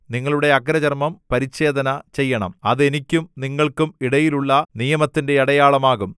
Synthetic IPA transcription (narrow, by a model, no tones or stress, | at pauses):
niŋːɐɭuɽe̞ɐɡɾɐd͡ʑɐrmɐmpɐɾit͡ɕːe̞ːd̪ɐnɐt͡ɕe̞jːɐɳɐ̰mɐðe̞nikʲːumniŋːɐɭkumiɽɐjiluɭːɐnijɐmɐt̪ːinde̞ɐɽɐjaːɭɐmaːɣum